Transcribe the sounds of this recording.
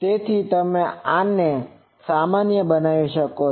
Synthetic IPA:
t̪et̪ʰit̪əmẽãnːe | samanjəbənaʋiʃəko

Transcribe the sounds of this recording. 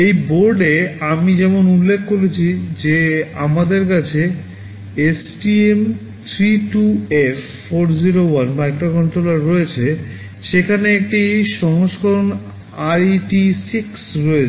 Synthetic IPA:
ejboɾɖeamid͡ʑɛmonulːekʰːkoɾet͡ɕʰid͡ʑeamad̪eɾkat͡ɕʰe | esʈiem | t̪ʰɾiʈuef | foɾd͡ʑiɾowanmajkɾokɔɳʈɾolaɾːɔet͡ɕʰe | ʃekʰaneek̚ʈiʃɔŋoʃkɔɾon | ajʈisiksɾoet͡ɕ

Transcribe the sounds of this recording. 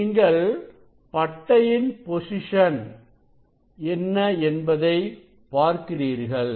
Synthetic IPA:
ŋɡɐɭ | pɐʈːɐjɪnpɔsɪʂɐn | ɛnːɐɛnbɐðɐɪ | paːɾkɪriːɾɣɐɭ

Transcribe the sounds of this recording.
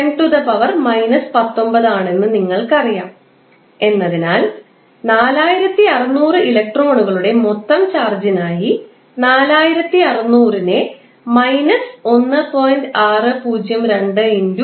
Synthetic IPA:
eɳʈuðɐpɐʋɐrmɐjnɐspɐt̪ːo̞mbɐðaːɳe̞nːɨniŋːɐɭkɐrijaːm | e̞nːɐðinaːl | naːlaːjiɾɐt̪ːiɐrɐnuːrɨilɐk̚ʈro̞ːɳuɣɐɭuɽe̞mot̪ːɐmt͡ɕaːrd͡ʑinaːji | naːlaːjiɾɐt̪ːiɐrɐnːuːrine | mɐjnɐso̞nːɨpo̞ːjndɨaːrɨpuːd͡ʑjɐmɾe̞ɳɖɨindu

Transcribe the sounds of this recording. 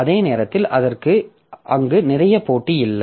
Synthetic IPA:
ɐðeːneːɾɐt̪ːɪlʔɐðɐrkɯ | ʔɐŋɡɯnɪrɐjɐpoːʈːijɪlːɐ

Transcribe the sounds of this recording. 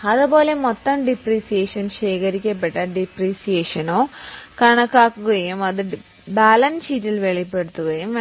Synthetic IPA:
ɐðupo̞ːle̞mot̪ːɐmɖipriːsijeːʂɐnɕeːkɐɾikʲːɐp̬ːeʈːɐɖipriːsijeːʂɐnoːkɐɳɐkːaːkːuɣɐjumɐðɨ | baːlɐnsitːilʋeɭipːe̞ɽut̪ːuɣɐjum

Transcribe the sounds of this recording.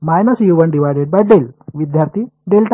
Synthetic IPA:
majnəsjuʋənɖiʋajɖeɖ̚baʈɖelʋid̪ʱjaɾt̪ʰiɖelʈ

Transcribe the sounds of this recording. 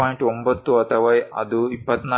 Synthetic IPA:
ɔiɳʈombɐt̪ːuɐt̪ʰɐʋajɐ̰d̪uipːət̪na

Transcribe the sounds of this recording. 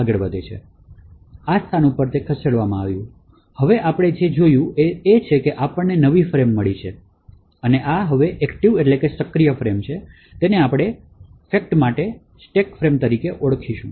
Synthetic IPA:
aɡəɭbəd̪et͡ʃʰḛ | ast̪ʰanũpəɾt̪ekʰəseɽʋamãaʋjũ | həʋeʔapɽ̃ed͡ʒed͡ʒojũeet͡ʃʰekeʔapəɳːenəʋifɾemːəɭit͡ʃʰe | əneʔaɦəʋeʔɛkʈiʋeʈlekesəkɾijəfɾemt͡ʃʰe | t̪eneapɽ̃e | fek̚ʈmaʈe | sʈekfɾemt̪əɾikeʔoɽkʰiʃṵ̃

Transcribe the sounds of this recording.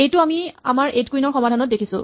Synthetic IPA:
ejtʊamia̰maɹetkuijnɔɹxɔmadʱanɔt̚dekʰisʊ̰̃

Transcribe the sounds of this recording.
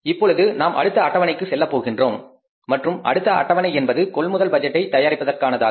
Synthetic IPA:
ɪpːɔɻɯðɯnaːmʔɐ̰ɽɯt̪ːɐɐʈːɐʋɐnɐɪkːɯsɛlːɐpːoːɣɪndroːmː | ɐʈrɯmɐ̰ɽɯt̪ːɐʔɐ̰ʈːɐʋɐnɐɪɛnbɐðɯkɔɭmʊðɐlbɐd͡ʒɛʈːɐɪt̪ːɐjaːɾɪpːɐðɐrkaːnɐðaː

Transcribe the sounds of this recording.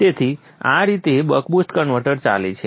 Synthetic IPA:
t̪et̪ʰi | ã̰ɾit̪ebəkbusʈ̪kənʋəɾʈəɾt͡ʃa̰lḛt͡ʃʰe

